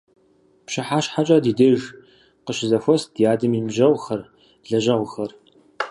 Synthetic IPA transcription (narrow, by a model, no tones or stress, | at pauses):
pɕɪħaːɕħat͡ʃʼadiːdeːʒ | qəʃɪzɐfʷɔsd̥ijaːdɨmiːmʒɐʁʷxɐr | ɮɐʒɐʁʷxɐr